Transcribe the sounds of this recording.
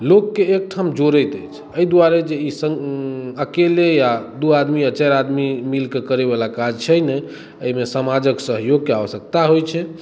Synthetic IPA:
lokːeːk̚ʈʰamd͡ʒoɾəjt̪əjt͡ʃʰ | əid̪uaɾed͡ʒeisəəkelejad̪uad̪miət͡ʃaɾad̪mimilkekəɾeβalakad͡ʒt͡ʃʰɛjnɛj | əimesəmad͡ʒəksəɦjoɡkeaβəsək̚t̪aɦojt͡ʃʰɛ

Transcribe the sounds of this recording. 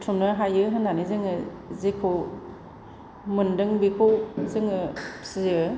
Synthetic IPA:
tʰumnɯɦajɯɦɯnanizɯŋɯ | zikʰo | mɯndɯŋbikʰowzɯŋɯsizɯ

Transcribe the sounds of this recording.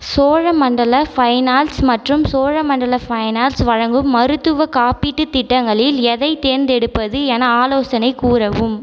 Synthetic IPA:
soːɻɐmɐɳɖɐlɐfɐɪnaːlsmɐʈrɯmsoːɻɐmɐɳɖɐlɐfɐɪnaːlsʋɐɻɐŋɡɯmːɐɾɯt̪ːɯʋɐkaːpiʈːɯt̪ɪʈːɐŋɡɐɭɪlɛðɐɪt̪eːɾnd̪ɛɽɯpːɐðɯɛnɐaːloːsɐnɐɪkuːɾɐʋɯm

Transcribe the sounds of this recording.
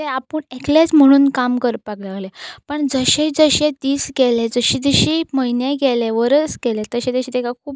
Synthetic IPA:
t̪ɛapəɳeklet͡sm̤əɽ̃uːnkamkəɾpaklaɡlɛ̃pəɳd͡zəɕed͡zəɕẽt̪iːsɡɛlɛd͡zəɕiːd͡zəɕiːməinjẽɡɛlɛʋəɾət͡sɡɛlɛ̃t̪əɕɛ̃t̪eɕĩːt̪ɛkak̚ʰuːp

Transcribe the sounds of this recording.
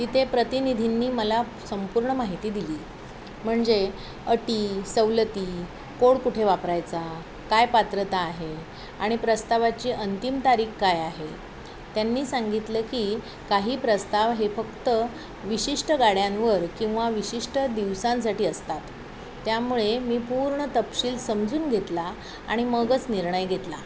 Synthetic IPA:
t̪iːt̪ʰepɾət̪inid̪ʱinːiːməla | səmpuɾɳəmaɦit̪iːd̪iliː | m̤əɳd͡ze | əʈiːsəʋlət̪iː | koɽkuʈʰeʋapɾajt͡sa | kajpat̪ɾət̪aːɦe | aɽ̃ipɾəst̪aʋat͡ɕiːʔənt̪imt̪aɾiːkkajaɦe | t̪janːiːsaŋɡit̪ləkiː | kaɦiːpɾəst̪aʋɦefəkt̪ə | ʋiɕiʂʈəɡaɽjãnʋəɾkĩw̃ʋaʋiɕiʂʈəd̪iʋsãns̬aʈiːəst̪at̪ː | jamuɭemiːpuːɾɳət̪əpɕiːlsəmd͡zuːnɡʱet̪la | a̰ɽ̃iməɡət͡sniɾɳəjɡʱet̪la

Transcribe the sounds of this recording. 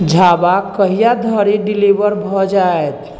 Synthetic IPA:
d͡ʒʱabakəɦijad̪ʱəɾiɖilibəɾbʱɔd͡ʒaet̪ʰ

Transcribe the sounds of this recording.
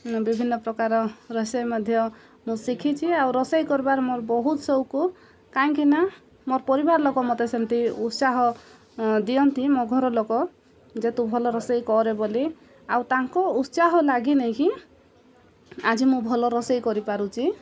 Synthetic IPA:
bibʱinːɔpɾɔkaɾɔɾɔsɔjmɔd̪ʱjɔ | mũsikʰit͡ʃʰiawɾɔsajkɔɾbaɾmoɾbɔɦut̪sɔwku | kaĩkina | moɾpɔɾibaɾlokɔmɔt̪esemt̪iut̪saɦɔ | d̪ijɔnt̪imoɡʱɔɾɔlokɔ | d͡ʒet̪ubʱɔlɔɾɔsɔjkɔɾeboli | awt̪aŋkɔut̪saɦɔlaɡinɔj̃ki | ad͡ʒimũbʱɔlɔɾɔsɔjkɔɾipaɾut͡ʃʰi

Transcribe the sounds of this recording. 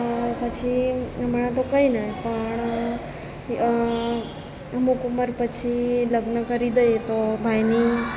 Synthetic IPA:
pət͡ʃʰiməɳãt̪̬okəinəpəɳ | mukuməɾpət͡ʃʰiləɡnəkəɾid̪əjet̪obʱajni

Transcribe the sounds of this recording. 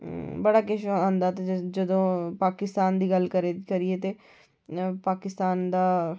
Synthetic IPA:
bəɽaːkɪʃoãnd̪aːt̪ed͡ʒəd̪õːpaːkɪst̪aːnd̪iːɡəlkəɾekəɾieːt̪eː | paːkɪst̪aːnd̪aː

